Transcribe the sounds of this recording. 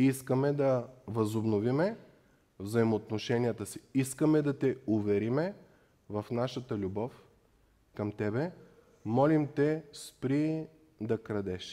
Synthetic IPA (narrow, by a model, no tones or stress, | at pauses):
iskəmɛd̪ɐvɐzobnovimɛ | vzɐimoːt̪noʃɛnijət̪əsiiskəmɛd̪ɐt̪ɛʊvɛɾimɛ | vɐfnaʃət̪əlʲubɔf | kɐmt̪ɛbɛ | mɔlimt̪ɛspɾi | d̪ɐkɾɐd̪ɛʃ